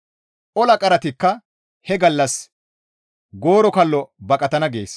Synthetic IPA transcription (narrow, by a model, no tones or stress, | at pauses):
ʔɔlɐkʼɐɾɐt̪ɪkːɐ | hɛɡɐlːɐs | ɡo̞ːɾɔkɐlːɔbɐkʼɐt̪ɐnɐɡe̞ːs